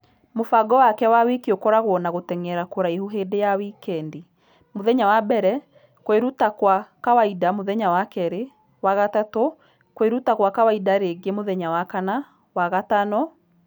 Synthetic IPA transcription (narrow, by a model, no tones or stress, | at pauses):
mofaɡɔwakɛwawekiokɔɾaɣoɔnaɣotɛŋɛɾakoɾaihuɦeːdejawikɛndi | moðɛɲawabɛɾɛ | kweɾutakwakawaidamoðɛɲawakɛɾe | waɣatato | kweɾutakwakawaidaɾeɡemoðɛɲawakana | waɣatanɔ